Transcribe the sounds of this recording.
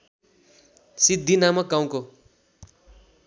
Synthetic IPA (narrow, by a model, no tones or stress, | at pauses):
sid̪ʱːinamʌk̚ɡaw̃ko